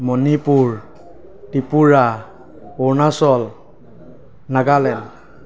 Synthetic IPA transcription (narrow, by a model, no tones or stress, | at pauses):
mɔnipuɹ | tipuɹa | ɔɹnasɔl | naɡalɛn